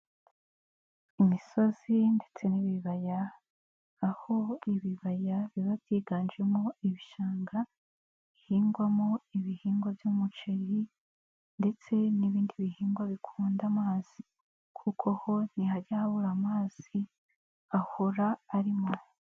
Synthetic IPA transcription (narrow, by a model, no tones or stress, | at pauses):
imiso̞zinde̞t͡se̞niβiβajaː | ho̞iβiβajaβiβavjiːɡaːnd͡ʒemoiβiʃaːŋɡa | ihiːŋɡwamoiβihiːŋɡovjumut͡ʃeji | nde̞t͡se̞niβiːndiβihiːŋɡwaβikʰuːndamaːz̥i | kʰukʰoho̞nihaɾɟahaβuɾamaːz̥i | ahoɾaːɾimo